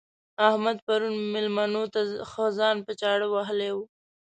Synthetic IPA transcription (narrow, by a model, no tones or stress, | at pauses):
ahmad̪̚paɾunmɪlmanot̪axozɑnpət͡ʃɑɽəwaɦəlewu